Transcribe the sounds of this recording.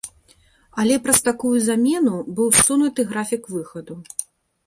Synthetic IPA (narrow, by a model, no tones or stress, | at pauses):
ɐlʲɛpɾɐst̪akujuzamʲɛnubɨwsːunut̪ɨɣɾafʲikvɨxɐd̪u